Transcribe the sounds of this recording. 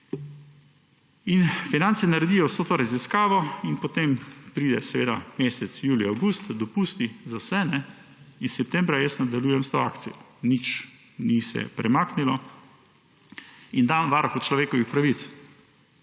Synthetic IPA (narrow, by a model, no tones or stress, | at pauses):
infinansɛnaɾɛd̪iːjɔwsoːt̪oɾaziskaːʋɔinpɔt̪empɾiːd̪ɛsɛʋeːd̪a̰meːsɛt̪sjuːliawɡust̪d̪ɔpuːst̪izawsɛnɛ | issɛp̚t̪ɛmbɾajəsnad̪aljuːjɛmst̪oaːkt̪sijɔ | nit͡ʃ | nisɛ̰pɾɛmaːknilɔ | ind̪anʋaɾxɔt͡ʃlɔʋeːkɔʋixpɾaʋit̪s